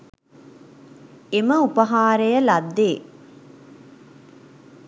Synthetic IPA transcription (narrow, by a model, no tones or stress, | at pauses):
eməupɐɦaːɾejəlad̪ːeː